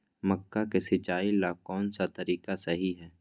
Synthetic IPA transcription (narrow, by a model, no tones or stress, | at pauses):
məkːakesɪt͡ʃaːilaːkɔːnsat̪ɐɾiːkasɐɦiɦɛː